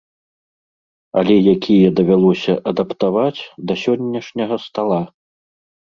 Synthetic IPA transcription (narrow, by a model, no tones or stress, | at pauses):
ɐ̰lʲɛjakʲʰijɐd̪ɐvʲalˠɔsʲɐʔɐd̪ɐpt̪avat͡sʲd̪ɐsʲɔnʲːɐʂnʲɐɣɐst̪alˠa